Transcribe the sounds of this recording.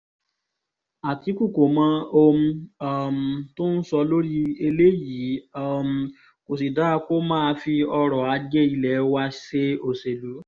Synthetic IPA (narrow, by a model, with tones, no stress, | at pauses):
a˨ti˨˦ku˦˨ko˨mã˨˦o˧mũ˧a˦m̩˨tõ˦n̩˦sɔ˧lo˦ɾi˦e˧le˦ji˨˦m̩˨ | ko˨s̬i˨da˦˧ko˦mãː˦˧fi˧ɔ˧ɾɔ˨a˨˧˦d͡ʒe˦i˧lɛ˨˦wa˧ʃe˦o˨se˨lu˨˦